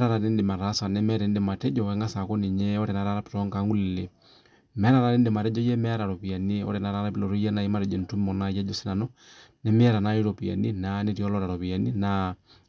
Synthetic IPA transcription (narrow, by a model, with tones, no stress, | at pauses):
m˦ɾa˦ɾa˨nɛ˦ndɪ˨ma˨ɾa˦sa˨nɛ˦mɛ˦ɾɛ˨n˦dɛ˨ma˨tɛ˦d͡ʒɔ˨wɛ˨˦ŋɡa˦sa˨ko˦ni˨ɲɛ˦ɔ˦ɾɛ˨na˨˦ɾa˦ɾa˦pi̥˨ɾɔ˦ŋka˨˦ŋɡu˦lɛ˨le˨ | mɛ˦ɾa˨ɾa˨nɛ˦ndɪ˨ma˨ɾɛ˦d͡ʒɔ˦jɛ˦mɛ˦a˦ɾa˨ɾɔ˨pi˨a˨ni˦ɔ̰˦ɾɛ˨na˦ɾa˦ɾa˦pi˦lɔ˨ɾo˦jɛ˦na˦i˦ma˦ɾɛ˨d͡ʒɛ˨ntu˦mɔ˨na˦jɛ˦d͡ʒɔ˦si˦na˨nɔ˦nɛ˨˦mɪ˦a˦ɾa˨na˦i˦ɾo˨pi˨ja̰˨ni˦na˦ne˦ti˨ɔ˦lɔ˦ɾa˨ɾɔ˨pi˨ja˨ni˦na˨